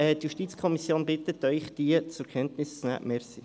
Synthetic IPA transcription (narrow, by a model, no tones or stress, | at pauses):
ɛtjuʃtiːt͡skʰɔmisjoːnbɪt̪ət̪œʏχd̥iət͡sʊɾkʰɛntnɪst͡snæ̰ːʔmɛɾsi